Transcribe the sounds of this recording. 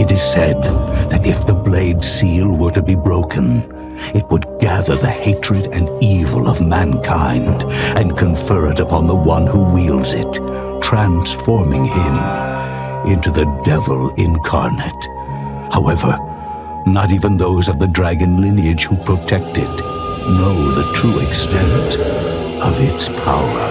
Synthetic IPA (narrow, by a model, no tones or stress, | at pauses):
ɨɾɨz̥sɛd̪̚ðɨɾɨfðɨbleɪdsilˠwə˞ɾɨbibɹoʊkʰɨ̃n | ɨt̚wəd̚ɡæðə˞ðɨheɪt͡ʃɹ̥ɨɾɨ̃nivəl̩ˠʌ̰vmæ̃nkʰãɪ̃ndɨ̃nkʰɨ̃ɱfɜ˞ɨɾɨpʰɑ̃nðəwʌ̃nhuwilˠdzɪ̰t | tʰɹ̥æ̃nsfɔɹmɪ̃ŋɪ̃m | ʔɪ̃ntʰʉðɨdɛvl̩ˠɪ̃nkʰɑ̰ɹnɨt | haʊɛvə̰˞ | nəɾivɨ̃nðoʊzʌvðɨdɹæɡɨ̃nlɪ̃niɨd̥ʒ̥hupʰɹ̥otʰɛk̚tɨtⁿ | noʊðɨtʰɹ̥uɨkstɛ̃nɨ̃t | ʌvɪtspʰa̰ʊə˞